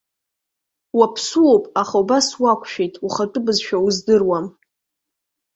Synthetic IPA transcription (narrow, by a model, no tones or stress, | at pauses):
wapʰsuopʼaχaubaswakʷʰʼʃᶣejtʼuχatʼɨbɨzʃᶣawzdɨrwam